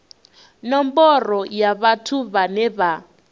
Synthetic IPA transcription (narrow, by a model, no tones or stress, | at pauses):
nɔmbɔrɔjaβatʰuβanɛβa